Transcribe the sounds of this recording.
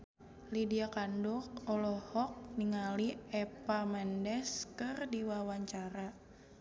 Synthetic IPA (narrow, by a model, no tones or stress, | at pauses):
lidiakandɔk̚ɔlɔhɔk̚niŋaliɛpamɛndɛskɨrdiwawaɲt͡ʃaɾa